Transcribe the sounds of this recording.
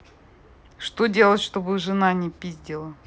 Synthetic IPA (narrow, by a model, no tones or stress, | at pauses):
ʂt̪odʲe̞lˠətʲʂt̪obɨʐɨnanʲɪpʲizʲdʲɪlˠə